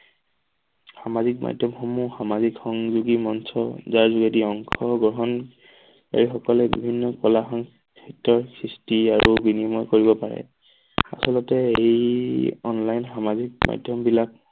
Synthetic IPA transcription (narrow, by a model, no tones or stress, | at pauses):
xamazikma̰jdʱjɔmxomuxamazikxɔŋzuɡimɔnsɔzaɹzuɡediɔŋkʰɔɡɔɦɔn | ka̰ɹixɔkɔlɛbḭbʱinːɔkɔlaxɔŋ | kʰɛtːɔɹkʰɹistiaɹubinimɔjkoɹibɔpaɹɛ̰ | a̰sɔlɔtɛejɔnlajnxamazik̚ma̰jdʱjɔmbilak̚